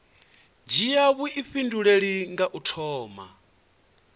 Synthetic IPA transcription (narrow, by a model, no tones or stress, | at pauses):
d͡ʒijaβuʔiɸinduɺeɺiŋɡaʔutʰɔːma̰